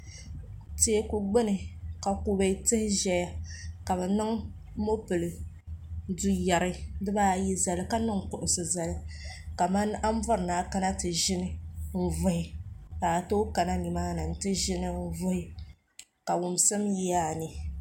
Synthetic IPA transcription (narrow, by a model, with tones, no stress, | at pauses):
te˦e˦ku˨ɡ͡bɪ˦nɨ˨ka˨ku˦ba˨i˦tɨ˦hɪ˦ʒɛ˦ja˦ka˨bɛ˨nɨ˦ŋ˦ | mo˦pɨ˨lɨ˨ | du˦ja˨ɾɨ˦dɨ˦baː˦˨ji˦za˨lɨ˦ka˦nɨ˦ŋ˨kʊ˨ʔʊ˨sɨ˨za˨lɨ˦ka˨ma˦na˦m˦vʊ˦ɾɨ˨naː˨ka˦na˦tɨ˨ʒɪ˦nɨ˦m̩˦˨vʊ˦hɪ˨ka˨to˦ka˨na˦ni˨maː˦nɨ˨n̩˨tɨ˦ʒɪ˦nɨ˦m̩˦vʊ˦hɪ˦ | ka˨wʊ˨m˨sɨ˦mji˦ja˦˨nɨ˨